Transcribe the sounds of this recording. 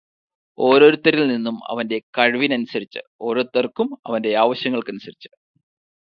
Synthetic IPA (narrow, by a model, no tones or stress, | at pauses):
o̞ːɾo̞ːɾut̪ːɐɾilninːumɐ̰ʋɐnde̞kɐɻʋinɐnusɐɾit͡ɕːɨ̰o̞ːɾot̪ːɐrkumɐ̰ʋɐnde̞aːʋɐɕjɐŋːɐɭkɐnusɐɾit͡ɕːɨ̥